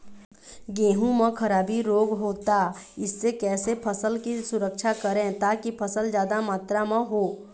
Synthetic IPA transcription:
ɡẽːɦũmẽkʰɐɾaːbiɾoːɡɦoːt̪aɪsːekɛːsepʰəsəlkisʊɾəkʃʰakəɾẽt̪aːkipʰəsəld͡ʒjaːd̪amaːt̪ɾamãɦoː

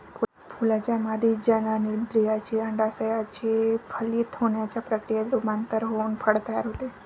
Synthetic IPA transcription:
pʰ | pʰulat͡ʃamad̪id͡ʒənanid̪ɾijat͡ʃʰeəɳɖasəjat͡ʃʰepʰəlit̪ʰonjat͡ʃʰapɾəkɾijad̪ɾumant̪əɾɦonpʰəɽt̪ajaɾut̪e

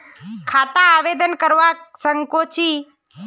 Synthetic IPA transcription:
kʰaːt̪aːʋed̪ənkəɾʋasəŋkot͡ʃʰi

